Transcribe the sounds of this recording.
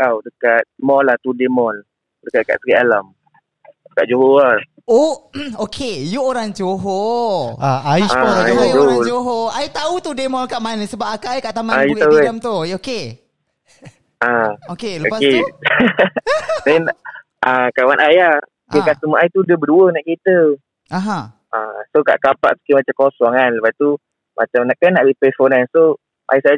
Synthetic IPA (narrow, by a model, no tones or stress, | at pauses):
awdəkat̪̚mɔlat̪udemɔl | dəkat̪̚ka̰ʔ̚səɾiʔalam | dəkaʔ̚d͡ʒoɦoa | ookʰejuoɾaŋd͡ʒoɦo | ajisajud͡ʒud͡ʒoɦoajt̪aut̪udemɔlkaʔmanəsəbap̚akaikaʔt̪amaajuiauamt̪ujoke | aokeluoake | dɛn | ʔakawanʔaja | ekaʔsəmuʔajt̪udəbəduənaʔkit̪ə | aɦã | ʔasoka̰ʔkapa̰ʔsi̥kimat͡ʃamkɔsɔŋanləpast̪u | ma̰t͡ʃamnaʔkanːaʔbipefɔnanso | ʔa̰jsa